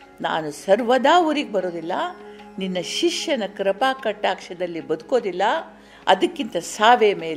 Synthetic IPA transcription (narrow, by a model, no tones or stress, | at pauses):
na̰ːnusɐɾʋɐd̪aːʋuɾiːɡebɐɾo̞ːd̪ilːɐninːɐʃiʂjɐnɐkɾɐpaːkɐʈːaːkʂɐd̪ɐlːibɐd̪uko̞ːd̪ilːɐ | ɐ̰d̪ɐkːint̪ɐsaːʋemeːl